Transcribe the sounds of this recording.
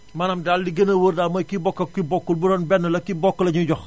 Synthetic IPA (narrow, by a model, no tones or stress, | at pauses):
mɐːnɐmdaldiɡənɐwərdamɔjkibɔkːɐkibɔkːulbuɾɔːnbɛnːɐlɐkibɔkːəlɐɲuɟɔx